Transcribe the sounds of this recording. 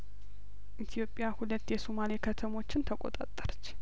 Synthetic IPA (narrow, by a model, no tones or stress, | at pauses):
ʔit̪ʰijo̞pʼːjahulət̪ːjɛsomalekʰət̪ʰəmo̞t͡ʃːɪnt̪ʰəkʼo̰t̪ʼa̰t̪ʼːəɾt͡ʃː